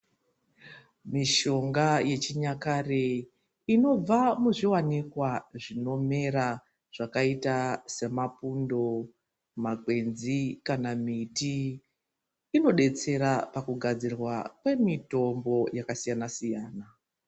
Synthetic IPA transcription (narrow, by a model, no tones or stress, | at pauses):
miʃo̞ŋɡaje̞t͡ʃiɲakare | ino̞b͡vamuʐiwanikwaʐino̞me̞ɾa | ʐ̥akaitase̞mapundo̞ | maɡʱwe̞nzikanamiti | no̞ɗe̞t͡se̞ɾapakuɡʱad͡zirwakwe̞mito̞mbo̞jakasijanasijaːna